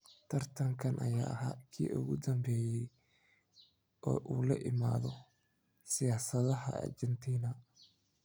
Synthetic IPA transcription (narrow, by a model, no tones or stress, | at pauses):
t̪ʰɐrt̪ʰɐŋkʰɐnʔɐ̰ja̰ːʔɐɦaːkʰḭːʔʊɣʊd̪ɐmbɛːjɛj | ʔɔ̰ːʔuːlɐʔɪma̰ːðɔ | sɪjaːsɐðɐɦɐ̰ɐ̰rd͡ʒɛnt̪ʰiːnɐ